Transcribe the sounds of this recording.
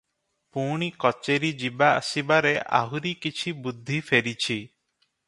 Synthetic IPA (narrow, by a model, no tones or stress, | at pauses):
puɽ̃ikɔt͡ʃeɾid͡ʒiba̰ːsibaɾeʔa̰ɦuɾikit͡ʃʰibud̪ʱːifʰeɾit͡ʃʰi